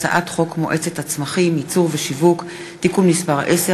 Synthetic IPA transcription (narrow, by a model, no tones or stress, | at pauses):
t͡sa̰ʔat̪χo̞kmoʔe̞t͡setat͡smaχimit͡suʁveʃivuk | tikumnispaʁʔese